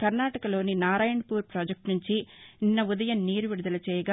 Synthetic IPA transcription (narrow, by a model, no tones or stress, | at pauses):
kɐɾnaːʈɐkɐlo̞ːninaːɾaːjɐɳpuːɾpɾaːd͡ʒɐk̚ʈnuɲt͡ʃininːɐud̪ɐjɐmniːɾuʋiɽud̪ɐlɐt͡ʃɛːjɐɡaː